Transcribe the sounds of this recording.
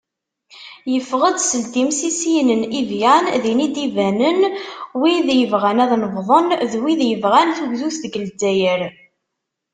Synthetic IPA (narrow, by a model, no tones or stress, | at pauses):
jəfʁəd̪səld̪imsisinənivjænðinid̪ivænənwiðjəvʁænæðnəvðˤənðwiðjəvʁænθuʝðuθðɡəld͡zæjəɾ